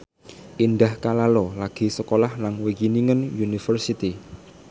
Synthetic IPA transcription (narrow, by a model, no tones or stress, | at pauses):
ʔinɖahkalalɔlaɡ̥i̤səkolahlanwekiniŋənjunifərsit̪i